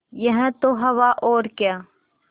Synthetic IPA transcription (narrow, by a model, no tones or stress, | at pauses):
jəɦə̃t̪oɦɐʋaʔoːɾkjaː